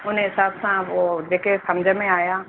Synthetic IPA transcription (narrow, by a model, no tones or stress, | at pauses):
ʊnẽɦɪsaːbsãod͡ʒeːkʰesɐmd͡ʒʱmẽaːjaː